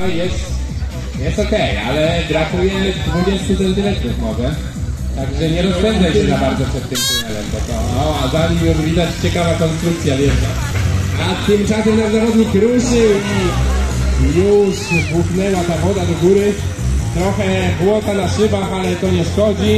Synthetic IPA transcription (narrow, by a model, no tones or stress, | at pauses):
jɛst̪ | jɛst̪ɔkɛja̰lɛɡɾat̪uujɛmɘvubʲjɛst̪usɛnt̪ɨlɛkt̪uvmɔvɛ | t̪aɡʐɛɲɛɾɔzbɛndzajɕɛnabaɾd̪zɔpʂɛt̪ːɨmt̪ɛnɛlɛ̰md̪ɔt̪ɔnɔazaɲimʲjɔzvʲid̪at͡ɕt͡ɕɛkavakɔ̃nst̪ɾukt̪sʲjavʲjɛta | at̪ːɨmt͡ʂasɛmnazaɾɔd̪ikɾusɪi | juʂbwuknɛwat̪avɔd̪ad̪ɔɡuɾɘ | t̪ɾɔxɛɣwɔt̪anaʂɘbaxalɛt̪ɔɲɛsxɔd͡ʑi